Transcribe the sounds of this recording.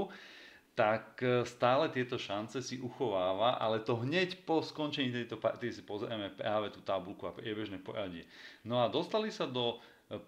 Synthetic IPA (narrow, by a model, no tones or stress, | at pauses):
t̪akst̪aːlɛt̪ɪɛt̪ɔʃant͡sɛsiʔuxɔʋaːʋaʔa̰lɛt̪ɔɦɲɛcpɔskɔnt͡ʃɛɲiːt̪ɛjt̪ɔpat̪ɛd̪isi̥pɔzɛɾamɛpɾaːʋɛt̪uːt̪abulkuapɾɪɛbɛʒnɛːpɔ̰ɾaɟɪɛnɔad̪ɔst̪alisad̪ɔ